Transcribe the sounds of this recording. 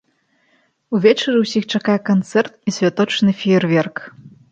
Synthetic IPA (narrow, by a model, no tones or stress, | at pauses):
uvʲɛt͡ʃɐɾʲɨwsʲixt͡ʂakajɛkɐnt̪sɛrt̪̚isʲvʲat̪ɔt͡ʂnɨfʲiɛrvʲɛrk